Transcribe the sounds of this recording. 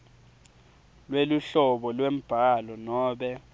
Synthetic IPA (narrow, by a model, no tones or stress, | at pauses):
lweluɬɔɓɔlwem̩b̥ʱalɔnɔːɓɛ